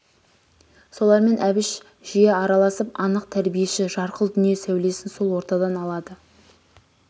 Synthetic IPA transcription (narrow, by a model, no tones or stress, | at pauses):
so̞lˠɑɾme̞nʔæbɪʃ | ʒ̥ijeɑɾɑlˠɑsəpɑnəq̚t̪ʰæɾbije̞ʃɪʒɑɾqəlˠd̪ʏnije̞sæwle̞sɪnso̞lˠwo̞ɾt̪ɑd̪ɑnɑlˠɑd̪ə